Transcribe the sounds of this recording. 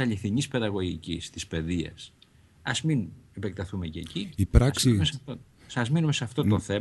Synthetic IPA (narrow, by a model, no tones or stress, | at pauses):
ɐʎiθiɲispe̞ðɐɣo̞ʝicist̪ispe̞ðiɐ̰s | ɐzminipekt̪ɐθume̞ce̞ciipɾɐksimesɐft̪o | sɐzminume̞sɐft̪o̞t̪o̞θe̞